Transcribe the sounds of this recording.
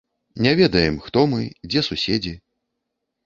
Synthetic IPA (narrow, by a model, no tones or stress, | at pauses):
nʲɛvʲɛd̪ɐjɛmxt̪ɔmɨd͡zʲɛsusʲed͡zʲi